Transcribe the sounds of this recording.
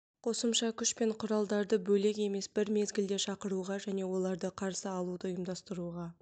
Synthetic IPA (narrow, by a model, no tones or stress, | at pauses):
qʰo̞səmʃɑkʲʰʏʃpe̞ɴqʰʊɾɑlˠd̪ɑɾd̪əbɵle̞ke̞me̞sbɪɾme̞zɡʲɪld̪e̞ʃɑqəɾuʁɑʒæne̞wo̞lˠɑɾd̪əqʰɑɾsəɑlˠud̪əʊjəmd̪ɑst̪əɾuʁɑ